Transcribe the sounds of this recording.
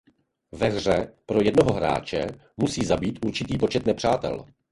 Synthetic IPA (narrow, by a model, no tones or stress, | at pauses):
vɛɣr̝ɛpɾo̞jɛdnoɦoɦɾa̰ːt͡ʃɛ̰ | musiːzabiːt̪ʔuɾt͡ʃɪt̪iːpo̞t͡ʃɛt̪nɛpr̝̥aːt̪ɛ̰l